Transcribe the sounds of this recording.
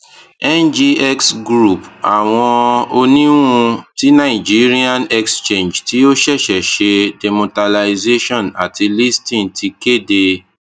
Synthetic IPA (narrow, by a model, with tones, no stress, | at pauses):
ɛ˦nd͡ʒi˧ɛ˦ksɡɾu˦˨pa̰˨w̃ɔ̃˧o˧nĩ˦ũ˧ti˨˦nã˦˨i˨d͡ʒi˨˦ɾi˦ã˦˨nɛ˦kst͡ʃẽ˦˨nd͡ʒti˨˦o˦ʃɛ˦˨ʃɛ˨ʃe˧de˨mo˧ta˧la˧i˧ze˦ʃɔ̃˦˨na̰˨ti˧li˦stĩ˦˨tʰi˧ke˦˨de˧